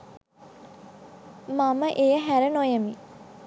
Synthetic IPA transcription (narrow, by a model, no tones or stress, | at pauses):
maməʔejəɦæɾənojəmi